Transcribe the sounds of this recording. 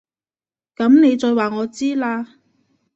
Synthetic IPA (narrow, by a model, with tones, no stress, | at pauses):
kɐ˨˥mne˨˧jt͡sɔː˨˧jwaː˨˩ŋɔː˨˧t͡siː˥laː˧